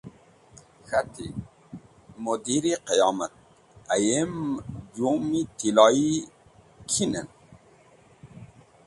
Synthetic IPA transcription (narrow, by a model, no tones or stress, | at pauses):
xat̪ʰḭ | mod̪iɾiqejɑːmat̪̚ | ajemd͡ʑumit̪ʰilɑi | kʰinə̰n